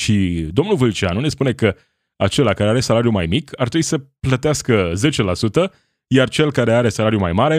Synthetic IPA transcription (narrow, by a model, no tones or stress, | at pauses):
ʃid̪o̞mnulvɨlt͡ʃianune̞spune̞kə | a̰t͡ʃe̞lakaɾeaɾe̞salaɾijumajmikʰart̪ɾebuisəplət̪easkəze̞t͡ʃe̞lasut̪ə | jart͡ʃe̞lkaɾe̞aɾe̞salaɾjumajmaɾe